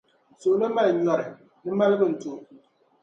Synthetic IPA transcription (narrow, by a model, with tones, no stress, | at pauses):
so˨ʔna˦ma˦˨lɲɔ˨ɾɪ˨ | nɨ˦ma˦lɨ˦bɨ˦n̩˨tu˨˦